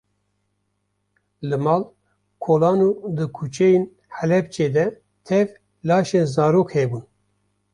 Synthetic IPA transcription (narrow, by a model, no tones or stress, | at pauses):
lɨmɑːl | kʰoːlɑːnud̪ɨkʰut͡ʃʰɛjen | hɛlɛp̚t͡ʃeːd̪ɛ | t̪ʰɛv | lɑːʃenzɑːɾoːkhɛbun